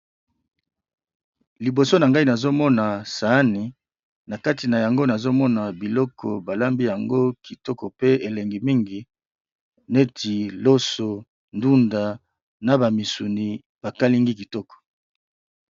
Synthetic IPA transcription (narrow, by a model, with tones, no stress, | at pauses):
li˨bo˨so˦na˨ŋɡa˦i˦na˨zo˦mɔ˦na˨sa˨˦ni˨ | na˨ka˦ti˨na˨ja˨ŋɡo˦na˨zo˦mɔ˦na˨bi˨lɔ˦kʰɔ̰˨ba˨la˦mbi˦ja˨ŋɡo˦ki˨tɔ˦kɔ˨pe˦e˨le˨ŋɡi˨mi˦ŋɡi˨ | ne˦tʰi˨lo˦so˨ | ndu˦nda˨ | na˨ba˨mi˨su˨ni˨ | b̥a˨ka˦li˦ŋɡi˦ki˨tɔ˦kɔ̥˨